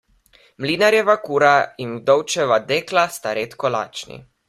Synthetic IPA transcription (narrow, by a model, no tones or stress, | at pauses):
mliːnaɾjɛʋakuːɾainwd̪ɔwt͡ʃɛʋad̪eːklast̪aɾeːt̪kɔla̰ːt͡ʃnḭ